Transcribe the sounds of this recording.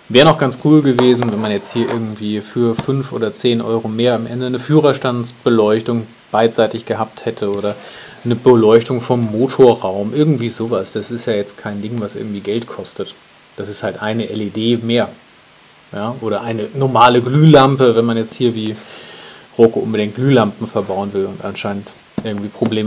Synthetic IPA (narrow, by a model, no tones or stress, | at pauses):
vɛːʁənɔχɡ̥ant͡skʰuːlɡəveːzn̩vɛnmanjɛt͡sthiːɐʔɪɐɡŋ̩tv̥iːfyːɐfʏnfʔo̰ːdɐt͡seːnʔɔ̰ʏʁomeːɐamʔɛ̰ndənəfyːʁɐʃtantt͡sb̥əlɔʏçtʊŋ | b̥aɪzaɪtɪçɡ̥əɦaːp̚thɛtʰəoːɾɐ | nəbəlɔʏçtʊŋfɔmːoːtʰoɐʁaʊmʔɪɐɡŋ̩tv̥iːzoːvasd̥asɪstjaːjɛt͡stkʰaɪndɪŋvasʔɪ̰ɐɡŋ̩tv̥iːɡɛltkʰɔstət | d̥asɪsthaltʔaɪnəʔɛledeːmeːɐ | jaːʔoːɾɐʔaɪnənɔɐmaːləɡlyːlampəvɛnmanjɛt͡sthiːɐviː | ʁokoʔʊnbədɪŋt̚ɡ̥lyːlampm̩fɛɐbaʊənvɪlʊntʔa̰nʃaɪnənt | ʔɪɐɡŋ̩tv̥iːpʁ̥obleːm